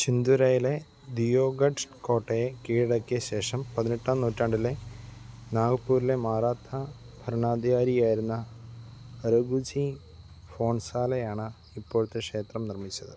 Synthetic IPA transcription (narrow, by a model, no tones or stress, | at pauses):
t͡ɕind̪uɾɐjile̞ | d̪ijoːɡɐɖko̞ːʈːɐjekiːɻɽɐkːijɐɕe̞ːʂɐmpɐðineʈːaːmnuːtːaːɳɖile | naːɡɐpːuːɾile̞maːɾaːt̪mɐ | bʱɐɾɐɳaːd̪iɣaːɾijaːjiɾunːɐː | ɾɐɡud͡ʑi | fo̞ːɳsaːlɐjaːɳɨ | ipːoːɻut̪ːekʂe̞ːt̪rɐmnirmit͡ɕːɐðɨ